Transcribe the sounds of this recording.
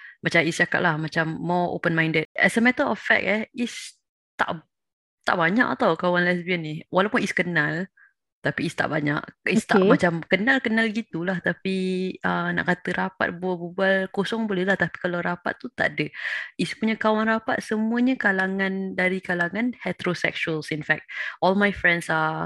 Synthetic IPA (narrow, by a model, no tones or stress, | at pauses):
mat͡ʃamist͡ʃaka̰ʔ̪̚lahmat͡ʃamːɔo̰pənmãj̃ndət̪̚ɛ̰səmɛt̪ətɔffɛ̰k̚ɛis | t̪a̰ʔ | t̪a̰ʔbaɲa̰ʔat̪awkawanlɛsbiəniwalawpuniskənal | t̪apiist̪a̰ʔbaɲa̰ʔist̪amat͡ʃamkənalkənalɡit̪ulaht̪apiʔəna̰ʔkat̪əɾapa̰t̪̚bualbubalkosɔŋbolɛhlaht̪api̥kalawɾapa̰t̪̚ːut̪a̰ʔadəispuɲakawanrapat̪̚səmũəɲəkalaŋãndaɾikalaŋãnhɛt̪ɾosɛ̰k̚ʃuəlsinfɛk̚t̪̚ʔɔlmajfɾɛnsa